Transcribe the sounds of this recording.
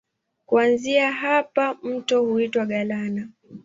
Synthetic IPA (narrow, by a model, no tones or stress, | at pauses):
kuanziaɦapam̩tɔhuitwaɠalana